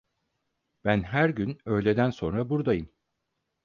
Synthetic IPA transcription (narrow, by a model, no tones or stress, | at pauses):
b̥ænɦæɾɟynø̞jlʲe̞d̪ænso̞nɾabuɾd̪ajɯm